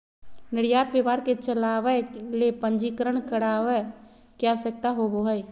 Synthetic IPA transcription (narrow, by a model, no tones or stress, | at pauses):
nɪɽjaːt̪̚bebaːɾket͡ʃəlaʋəlepə̃nd͡ʒikəɾəɳkəɽaʋə | keawsək̚t̪aɦoboɦəj